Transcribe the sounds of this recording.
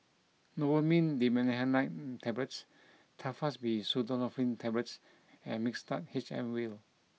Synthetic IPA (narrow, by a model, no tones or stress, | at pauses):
nɔwəmĩndimɛ̃nɛhənlajt̚tʰɛblɛts | tʰafasbisudənɔfɹĩntʰɛblɛts | ɛ̃nmikstat̚het͡ʃɛ̰̃mwil